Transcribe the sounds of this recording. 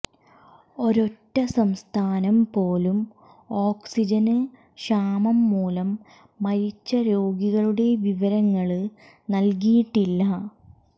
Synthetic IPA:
o̞ɾo̞tːɐsɐmst̪ʰaːnɐmpo̞ːlum | o̞ːksid͡ʑɐnɨ | ɕaːmɐmːuːlɐmː | ɐɾit͡ɕːɐɾo̞ːɡiɣɐɭuɽe̞ʋiʋɐɾɐŋːɐɭɨ | nɐlkijiʈːilːɐ

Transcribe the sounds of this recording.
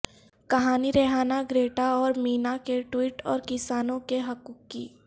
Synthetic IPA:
kɐɦaːniɾɛɦaːnaɡɾeːʈaɔːɾmiːnakeʈwiːʈɔ̰ːɾkɪsaːnõkeɦɐkuːkːḭː

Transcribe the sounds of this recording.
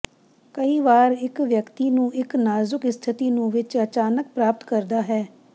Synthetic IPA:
kəiːʋaːɾɪkʋjəkt̪iːnũːʔɪknaːzʊkɪst̪ʰɪt̪iːnũːʋɪt͡ʃət͡ʃaːnək̚pɾaːp̚t̪kəɾd̪aːɦɛː

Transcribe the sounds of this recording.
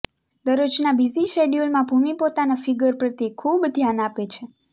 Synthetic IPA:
d̪əɾod͡ʒnabiziʃeɖijulmãbʱumipot̪anafiɡəɾpɾət̪ekʰubd̪ʱjanapet͡ʃʰe

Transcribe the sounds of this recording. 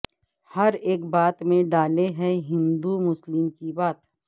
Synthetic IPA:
hɐɾeːkbaːt̪mẽɖaːleɦɛ̃ɦɪ̃nd̪umʊslɪmkibaːt̪

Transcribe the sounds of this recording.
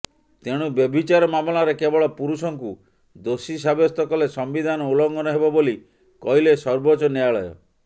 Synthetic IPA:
t̪eɽ̃ubjɔbʱit͡ʃaɾɔmamɔlaɾekebɔɭɔpuɾusɔŋku | d̪osisabjɔst̪ɔkɔlesɔmbid̪ʱanɔulɔŋɡɔnɔɦebɔboli | kɔjlesɔɾbɔt͡ʃɔneaɭɔjɔ̰

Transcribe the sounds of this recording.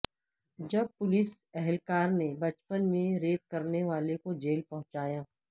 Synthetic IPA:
d͡ʒɐb̚pʊlɪsɛɦɛlkaːɾnebɐt͡ʃpənmẽɾeːp̪̚kɐɾneʋaːlekod͡ʒeːlpɐɦʊ̃t͡ʃaːjaː

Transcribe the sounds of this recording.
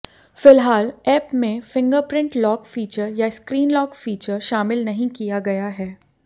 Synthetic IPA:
fɪlɦaːlɛːpmẽfɪ̃ŋɡəɾpɾɪ̃ɳʈlɔːkfiːt͡ʃəɾjaɪskɾiːnlɔːkfiːt͡ʃəɾʃaːmɪlnɐɦĩkijaɡɐjaɦɛː

